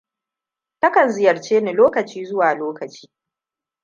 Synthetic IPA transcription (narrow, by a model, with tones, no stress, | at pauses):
tɐ˦kɐ˨nzɪ˦jɐ˨rt͡ʃeː˦ne˨loː˦kɐ˨t͡ʃiː˦zʊ˦waː˨loː˦kɐ˨t͡ʃi̥ː˦